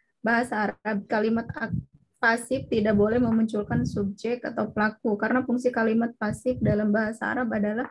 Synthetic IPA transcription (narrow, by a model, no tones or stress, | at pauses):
baɦasaːɾab̚kalimat̪a | pasɪf̚t̪idaʔbolɛhməmuɲt͡ʃulkansub̚d͡ʒɛk̚t̪a̰t̪awpəlakukaɾənafuŋsikalimat̪̚pasɪf̚dalambaɦasaa̰ɾapadalah